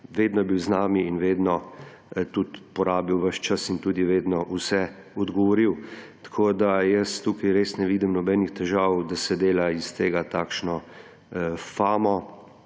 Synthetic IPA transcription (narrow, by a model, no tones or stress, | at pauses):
ʋeːd̪nɔjɛbiwznaːmiːnʋeːd̪nɔ | t̪ut̪pɔɾaːbiwʋəʃt͡ʃəsint̪uːd̪iʋeːd̪nɔʔusɛ | ɔd̪ɡɔʋɔɾiwt̪ḁkʰoːd̪ajəst̪uːkajɾeːsnɛʋiːd̪imnɔbɛnixt̪ɛʒaːwd̪asɛd̪eːlaist̪eːɡat̪aːkʃnɔ | faːmɔ